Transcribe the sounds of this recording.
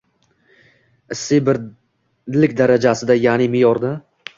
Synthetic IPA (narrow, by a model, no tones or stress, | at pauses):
ɪsːɪbɪɾ | lɪkʲd̪aɾad͡ʒasɪd̪ajanɪmɪjɒɾd̪a